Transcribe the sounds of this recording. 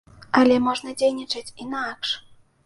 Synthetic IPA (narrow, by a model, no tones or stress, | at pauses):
alʲɛmɔʐnɐd͡zʲejnʲit͡ʂɐt͡sʲinakʂ